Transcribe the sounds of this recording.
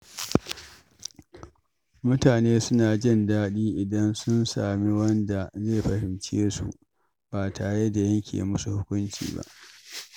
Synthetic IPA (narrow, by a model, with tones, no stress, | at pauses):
mʊ˦taː˨neː˦sʊ˦naː˨d͡ʒɪ˦˨ndaː˦ɗiː˦ʔɪ˨dɐ˦nsʊ˦nsa̰ː˨mi˦wɐ˦nda˨ze˦˨ɸɐ˨ɾɪ˨nt͡ʃḛː˦sṵ˨ | b̥aː˨tʰaː˨ɽe˦da˨jɐ˦ŋkʲʰḛ˨mʊ˦su˨hʊ˦kʷʊ˦nt͡ʃḭː˨ba̰˦ʔ